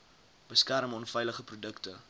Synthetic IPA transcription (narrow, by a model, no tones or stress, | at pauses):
b̥əskæɾmɔnfɛjləχəprudəktə